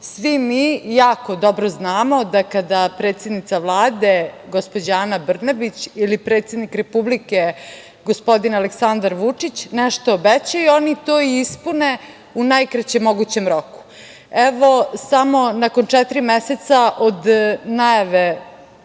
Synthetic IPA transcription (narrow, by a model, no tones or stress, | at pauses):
sʋimijaːko̞d̪obɾoznaːmo̞d̪akad̪apɾe̞ːt̪sjed̪nit̪saʋlˠaːd̪eɡospod͡ʑaːnabr̩nabit͡ɕilipɾet̪sje̞d̪nikɾepublike | ɡospo̞d̪inaleksand̪aɾʋut͡ʂit͡ɕnɛʃt̪oːbɛt͡ɕajuo̞nit̪oːiispune | unajkɾat͡ɕemoɡut͡ɕe̞mɾoku̥ | ɛʋo̞samo̞nakont͡ʂɛt̪ɾimɛset̪saʔod̪najaʋe